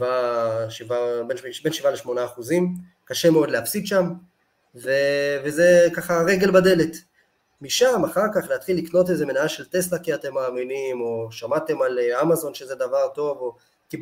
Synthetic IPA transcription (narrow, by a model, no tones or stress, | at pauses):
vaʃivabenbe̞nʃivaleʃmo̞naːχuzim | kaʃe̞meo̞d̪leafsit̪ʃam | ve̞veze̞kaχaʁe̞ɡe̞lbad̪e̞le̞t̪ | miʃamaχaʁkaχleat̪χilːikno̞teze̞menaaʃelt̪e̞slakiat̪e̞mːaːminimo̞ʃamat̪e̞malamazo̞nʃe̞ze̞d̪avaʁto̞vo̞ | ki